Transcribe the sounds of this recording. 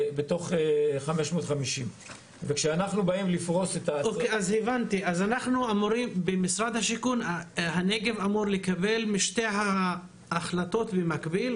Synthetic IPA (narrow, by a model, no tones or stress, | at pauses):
bet̪o̞χeχameʃmo̞ːt̪χamiʃim | vekʃeanaχnubaimlifʁo̞set̪aokeazhevant̪iʔazanaχnuamuʁimbemisʁad̪haʃikunahaneɡe̞vamuʁlekabe̞lmiʃte̞jɦaː | χlat̪o̞t̪bemakbil